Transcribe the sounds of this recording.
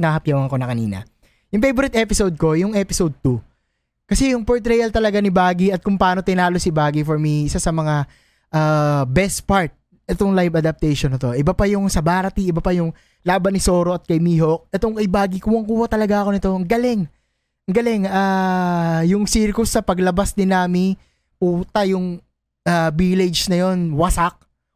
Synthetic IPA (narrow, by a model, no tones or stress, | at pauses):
nahɐp̚jawɐŋko̞nɐkɐnḭːnɐ̰ | jʊŋfejboɾɪt̪ʔɛpɪsowd̪̚ko̞jʊŋɛpɪsod̪̚t̪u | kɐsɛjʊŋpoɹt̪ɾɛjɐlt̪ɐlɐɡanibaːɡiɐt̪̚kʊŋpaːno̞t̪ɪnaːlosɪbaːɡifoɹmiʔɪsasɐmɐŋa | ʔabɛst̪̚paɹt̪̚ | ʔɛt̪oŋlajvɐd̪ɐp̚t̪ɛjʃonːɪt̪o̞ʔɪbapɐjʊŋsɐbaːɾɐt̪iʔɪbɐpɐjʊŋ | laːbɐnɪso̞ːɾo̞ʔɐt̪̚kɐjmiːhok̚ʔɛt̪oŋɐjbaːɡikuwɐŋkuːhɐt̪ɐlɐɡaɐko̞nɪt̪o̞ŋɡɐlɪŋ | ɐŋɡɐlɪŋaː | jʊŋsiːɾkʊsːɐpɐɡlɐbasd̪ɪnaːmɪ | puːt̪ɐjʊŋ | ʔabilɪd͡ʒnɐjo̞nwɐsak̚